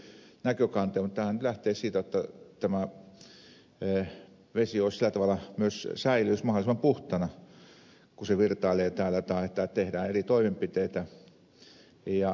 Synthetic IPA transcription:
nækøkɑnt̪eːmut̪ːæːhænyt̪læht̪eːssiːt̪æjot̪ːɑt̪æmæ | ʋesioˑisilːˑæt̪ɑʋɑlˑɑmyøssæilyːsmɑhŏlisĕmɑmpuht̪ɑnɑ | kuseʋirt̪ɑˑileːt̪æːlˑæt̪ɑiet̪ːˑæt̪ehdæːerit̪oimempit̪eit̪æ | jɑ

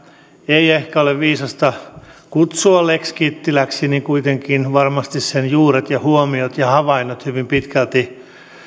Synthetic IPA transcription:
eiehkæoleʋʋiːsɑst̪ɑkut̪suɑlekskiːt̪ːilæksiniŋkuit̪eŋkinʋɑrmɑst̪issenjuːret̪jɑhuomiot̪jɑhɑʋɑinːot̪hyʋimpit̪kælt̪i

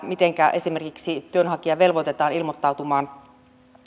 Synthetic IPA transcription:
mit̪e̞ŋkæʔe̞sime̞rkiksit̪yønɦɑkiɑʋe̞lʋo̞t̪et̪ɑːnilmot̪ːɑwt̪umɑːn

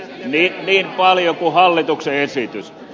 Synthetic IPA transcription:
niːniːmpɑljokuhɑlːit̪ukseesit̪ys

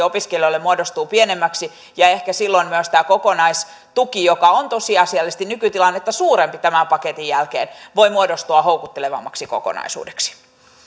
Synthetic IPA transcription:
opiskeljoilːemuodost̪uːpienemːæksi | jɑehkæsilːoinmyøst̪æːkokonɑis | t̪ukijokɑont̪osiɑsiɑlːest̪inykyt̪ilɑnːet̪ːæsuːɾempit̪æmæmpɑket̪ijjælkeːnʋo̞imuodost̪uɑhoukut̪ːeleʋɑ̰mːɑksiko̰ko̰nɑ̰isṵːdeksi̥

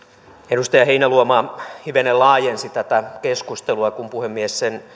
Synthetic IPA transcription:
eɾust̪ɑjɑheinæluomɑːhiʋenelɑːjensit̪æt̪ækeskust̪eluɑkumpuhemːiessen

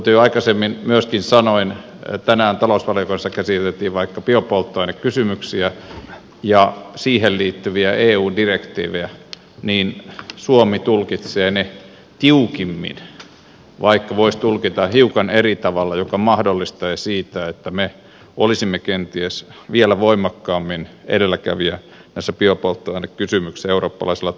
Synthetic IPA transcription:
t̪yɑikɑsemːinmyøskinsɑnoin | t̪ænæːnt̪ɑlousʋɑljokoinsɑkæsit̪elt̪ːiːʋʋɑikːɑpiopolt̪ːoinekkysymyksiæ | jɑsiːhelliːt̪ːyʋiæʔeːuːndirekt̪ḭːʋejæ | niːnsuomit̪ulkit̪seːne | t̪iukimːḭn | ʋɑikːɑʋoist̪ulkit̪ɑhiukɑnerit̪ɑʋɑlːɑjokɑmɑhdolːist̪eːsiːt̪æet̪ːæme | olisimːekent̪iesʋielæʋoimːˑɑkːɑːmːinḛdelːækæ̰ʋiæ | næisːæpiopolt̪ːoɑinːekkysymyksieuroːpːɑlɑisilːɑ

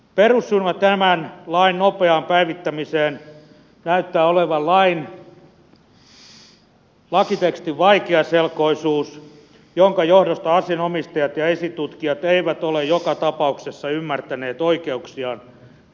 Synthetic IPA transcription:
perusːyrmætt̪æmænlɑinnopeɑːmpæiʋit̪ːæmiseːn | næyt̪ːæːoleʋɑllɑin | lɑkit̪ekst̪iʋʋɑikeɑselkoisuːs | joŋkɑjohdost̪ɑɑsienomist̪ɑjɑt̪jɑesit̪ut̪kiɑt̪eiʋæt̪olejjokɑt̪ɑpɑuksesːɑymːært̪æneːt̪oikeuksiɑːn

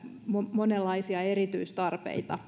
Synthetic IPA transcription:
momonelːɑisiɑerit̪yist̪ɑrpḛit̪ɑ

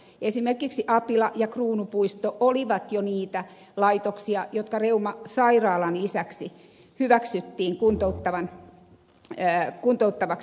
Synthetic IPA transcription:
esimerkiksiʔɑpilɑjɑkruːnupuist̪oʔoliʋɑt̪joniːt̪æ | lɑit̪oksiɑjot̪kɑreumɑsɑirɑːlɑnlisæksi | hyʋæksyt̪ːiːŋkunt̪out̪ːɑʋɑn | kunt̪out̪ːɑʋɑks

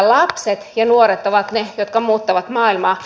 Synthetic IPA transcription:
lɑpset̪jɑnuoɾet̪oʋɑt̪nejot̪̚kɑmuːt̪ːɑʋɑt̪mɑːilmɑː

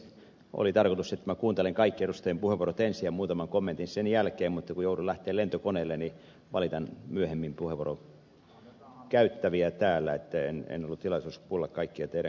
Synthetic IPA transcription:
o̰lit̪ɑrkot̪uset̪ːmækuːnt̪eleŋkɑikːieɾust̪ɑjempuheʋorot̪ensijɑmuːt̪ɑmɑŋkomːent̪insenjælkeːmmut̪ːɑkujoudulæht̪eːlent̪okoneːlːeni | ʋɑlit̪ɑnmyøhemːimpuheʋoroŋ | kæyt̪ːæʋiæt̪æːlːæet̪ːæḛnḛnolːut̪t̪ilɑʋisuskulːɑkkɑikːiɑt̪eɾæ

